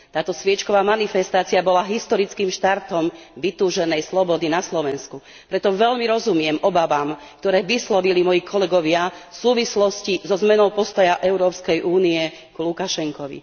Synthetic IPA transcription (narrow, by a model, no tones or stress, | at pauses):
t̪aːt̪ɔsʋɪɛt͡ʃkɔʋaːmanifɛst̪aːt͡siabɔlaɦist̪ɔɾit͡skimʃt̪aɾt̪ɔmʋit̪uːʒɛnɛjslɔbɔd̪inaslɔʋɛnsku | pɾɛt̪ɔʋɛlmiɾɔzumɪɛmɔbaʋam | k̚t̪ɔɾɛːʋislɔʋilimɔjikʰɔlɛɡɔʋɪafsuːʋislɔscizɔzmɛnɔʊpɔst̪ɔjaʔɛʊɾɔːpskɛjʔuːniɛ | kulukaʃɛŋkɔʋḭ